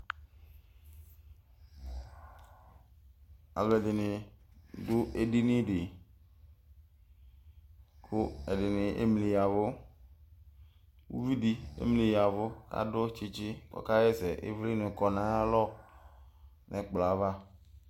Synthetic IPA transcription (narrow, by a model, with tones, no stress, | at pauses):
a̰˨le˨dɪ˨nɪ˨dʊ˦ʔe˦di˦nɪ˦ɖɪ˨ | kʰʊ˦ɛ˨dɪ˨nɪ˨ʔḛ˦mli˨ja˨vʊ˦ | wṵ˦vi˦di˦ḛ˦mli˨ja˨vʊ˦ka̰˦dʊ˦t͡ʃi˦t͡ʃɪ˦k͡pɔ̰˨ka˦jɛ˦sɛ˨ʔḛ˦vli˦nɪ̃˨kɔ˨nã˦a˦lɔ˦ | nʔɛ˨k͡pla˨˦va˦